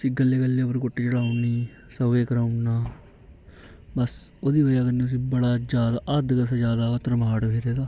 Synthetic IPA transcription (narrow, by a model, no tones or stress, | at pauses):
əsĩːɡəlːeːkəlːeːəpəɾkoʈːiːt͡ʃəɽaːʊniː | səʋeːkəɾaːʊnaː | bəs | oːd̪iːʋəjaːkəɾniːʊs̬ĩːbəɽaːd͡ʒaːd̪aːʔəd̪kəsaːd͡ʒjaːd̪aːət̪əɾmaːɽbeːɾeːd̪aː